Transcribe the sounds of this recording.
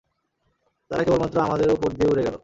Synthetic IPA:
t̪a̰ɾakebolmat̪ːɾoamad̪eɾupoɾd̪ieuɾeɡɛlo

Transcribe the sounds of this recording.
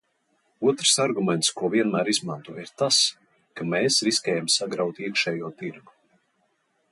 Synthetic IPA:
uɔt̪ɾ̥saɾɡumʲɛnt̪skuɔviɛnmæːɾizmant̪uɔiɾt̪as | kamɛːsɾiskʲɛːjamsaɡɾawt̪iɛkʃɛːjuɔt̪iɾɡu̥

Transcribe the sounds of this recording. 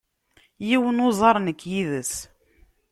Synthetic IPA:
jiwənozˤɑɾˤnəkːjiðəs

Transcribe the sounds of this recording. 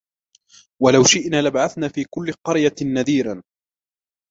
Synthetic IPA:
walawʃɪʔnaːlabaʕaθnaːfiːkʊlːɪqɑɾjanaðiːɾan

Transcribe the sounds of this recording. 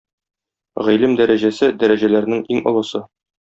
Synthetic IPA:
ʁilɘmd̪æɾæʑæsɘd̪æɾæʑælæɾnɘŋiŋŏ̰lˠɤ̆sɤ

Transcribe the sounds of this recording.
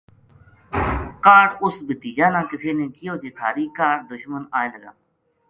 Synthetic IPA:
kaːɽʊsbət̪iːd͡ʒaːnãːkɪseːnẽːkɪjoːd͡ʒeːt̪ʰaːɾiːkaːɾd̪ʊʃmənaːẽːləɡa̰ː

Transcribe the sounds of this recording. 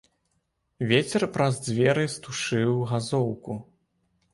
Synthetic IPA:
vʲet͡sʲɛrpɾɐzd͡zʲvʲɛɾɨst̪uʂɨwɣazɔwku

